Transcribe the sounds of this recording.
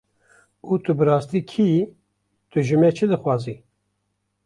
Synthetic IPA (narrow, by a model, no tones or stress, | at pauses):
ut̪ʰɨbɨɾɑːst̪iːkʰiː | t̪ʰɨʒɨmɛt͡ʃʰɨd̪ɨxwɑːziː